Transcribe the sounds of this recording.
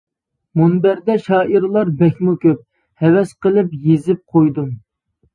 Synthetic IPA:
munbæɾd̪ɛʃɑːʔiɾlˠɑɾbɛkʲmukʲøp̚ | hɛwɛsqəlˠɪpjezɪp̚qʰojd̪um

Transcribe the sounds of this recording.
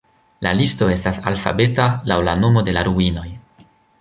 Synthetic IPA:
lalisto̞e̞stasa̰lfa̰be̞talawla̰no̞mo̞de̞laɾuino̞j

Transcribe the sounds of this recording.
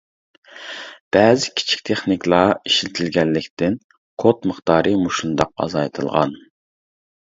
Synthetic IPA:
b̥ɛːzɪkʲʰi̥t͡ʃʰi̥k̚ʲt̪ʰeχnikʲlˠɑiʃlɪt̪ʰɪlɡʲɛnːɪkʲt̪ɪn | kʰot̪məχt̪ɑːɾɨmuʃund̪ɑq̚ɑ̰zɑjt̪ʰɨlˠʁɑ̰n

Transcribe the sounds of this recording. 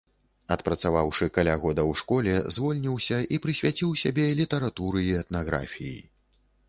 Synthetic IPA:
ɐt̪pɾɐt̪savawʂɨkalʲaɣɔd̪ɐwʂkɔlʲɛzvɔlʲnʲiwsʲɐʔipɾɨsʲvʲat͡sʲiwsʲabʲɛlʲit̪ɐɾat̪uɾɨiɛt̪naɣɾa̰fʲijḭ

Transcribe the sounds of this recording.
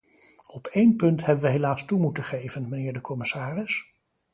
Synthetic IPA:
ɔpʰejnpɵntɦɛbənʋəɦelaːstumutəχejvənmənɪːɹdəkʰɔmɪsaːrɪs

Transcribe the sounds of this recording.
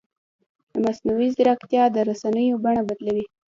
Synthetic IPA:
d̪əmasnawizɪɾakt̪jɑd̪əɾasanəjobaɳabad̪lawi

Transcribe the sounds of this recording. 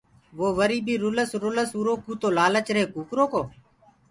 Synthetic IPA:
ʋoːʋəɾiːbiːɾʊləsɾʊləsuːɾoːkuːt̪oːlaːlət͡ʃɾẽːkuːkɾoːkoː

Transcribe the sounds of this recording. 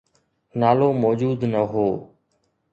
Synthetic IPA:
naːloːmɔːd͡ʒuːd̪nəɦoː

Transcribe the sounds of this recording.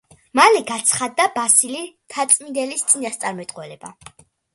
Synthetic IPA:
malɛɡat̪sʰχad̪ːabasilit̪ʰat̪sʼmind̪ɛlist̪sʼinast̪sʼaɾmɛt̪ʼqʼwɛlɛba̰

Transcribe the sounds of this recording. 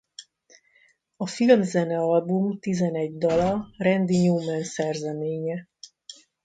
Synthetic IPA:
ɒfilmzɛnɛɒlbumt̪izɛnɛɟd̪ɒlɒrɛnd̪iɲuːmɛnsɛrzɛmeːɲɛ

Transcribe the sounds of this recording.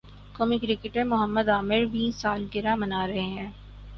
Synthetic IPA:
komikɾɪkɪʈẽmʊɦəmːəd̪aːmɪɾʋiːsaːlɡɪɾamɐnaːɾɐɦeɦɛ̃ː

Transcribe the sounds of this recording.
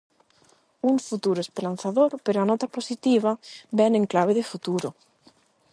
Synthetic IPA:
uɱfut̪uɾoespeɾanθaðoɾpeɾoanot̪aposit̪iβ̞abenẽŋklaβ̞eðefut̪uɾo

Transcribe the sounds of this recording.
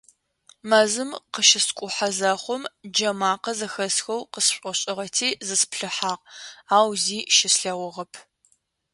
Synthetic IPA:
mɐzɨmqəʃɪskʷʼʊħazɐχʷʊmd͡ʒɐmaːqɐzɐxɐsxɐwqəsɕʷʼɔɕʼɪʁɐtʰiːzɨspɬɨħaːʁaːwziːʃɪsɬɐwɔʁɐpʰ

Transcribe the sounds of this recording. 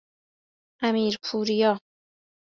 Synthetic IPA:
ʔæmiːɾpʰuːɾijɒː

